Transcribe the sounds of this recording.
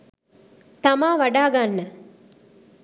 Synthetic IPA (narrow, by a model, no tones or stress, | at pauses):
t̪ɐmaːʋɐɖaːɡanːə